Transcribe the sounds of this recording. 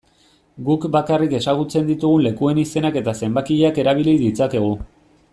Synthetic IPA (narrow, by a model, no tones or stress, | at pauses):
ɡukbakarike̞saɣ̞ut͡se̞nd̪it̪uɣ̞unle̞kue̞nise̞nake̞t̪ase̞mbakiʎeake̞ɾaβ̞ilid̪it͡sake̞ɣ̞u